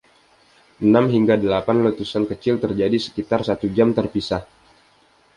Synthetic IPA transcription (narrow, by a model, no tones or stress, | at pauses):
ʔənamɦiŋɡadəlapanlut̪usankət͡ʃɪlt̪ərd͡ʒadisə̥kit̪arsat̪ud͡ʒamt̪ərpisah